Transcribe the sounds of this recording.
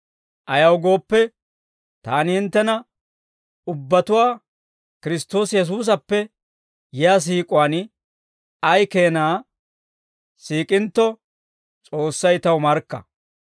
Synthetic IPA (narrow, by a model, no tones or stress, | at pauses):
ʔɐjɐwɡo̞ːpːɛ | t̪aːnɪhɪnt̪ːɛnɐ | ʊbːɐt̪ʊwaː | kɪɾɪst̪o̞ːsjɛs̬uːs̬ɐpːɛ | jɪjaːs̬iːkʼʊwaːn | ɐjke̞ːnaː | siːkʼɪnt̪ːɔ | t͡sʼo̞ːsːɐjt̪ɐwmɐɾkːɐ̰